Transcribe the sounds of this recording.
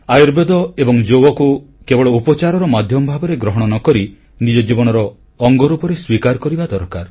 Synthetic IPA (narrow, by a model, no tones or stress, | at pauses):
ajɔɾbed̪ɔebɔŋd͡ʒowɔku | kebɔɭɔupɔt͡ʃaɾɔɾɔmad̪ʱjɔmɔbʱabɔɾeɡɾɔɦɔɽ̃ɔnɔkɔɾi | nid͡ʒɔd͡ʒibɔñɔɾɔː | ŋɡɔɾupɔɾeswikaɾkɔɾibad̪ɔɾkaɾ